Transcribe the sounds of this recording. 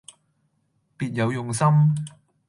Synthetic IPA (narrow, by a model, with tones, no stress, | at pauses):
piː˨˧t̚jɐ˨˧wjʊ˨ŋsɐ˥m